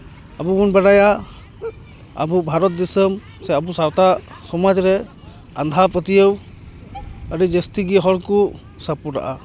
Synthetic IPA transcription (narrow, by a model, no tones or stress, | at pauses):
abubunbaɾaja | a̰bubʱaɾɔt̪̚d̪ɛsəm | sɛabusawta | sɔmad͡ʒɾɛ | a̰nd̪ʱapət̪ijəw | aɾid͡ʒestiɡiɦɔɹku | sapuɾa̰ʔa